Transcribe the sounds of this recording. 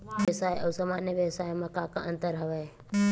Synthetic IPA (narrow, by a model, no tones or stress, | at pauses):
ʋsaːjəʋsaːmaːnjəʋjəʋsaːjmãkãːkaʔə̃nt̪əɾɦəʋe